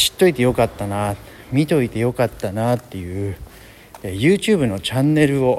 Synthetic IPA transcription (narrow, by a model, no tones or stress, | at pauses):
ɕi̥t̪ːo̞it̪e̞jo̞kat̪ːana | mʲit̪o̞it̪e̞jo̞kat̪ːanat̪ːe̞jɯ̟ | ejɯ̟ːt͡ɕɨːbɯ̟no̞t͡ɕãnːe̞ɾɯ̟o̞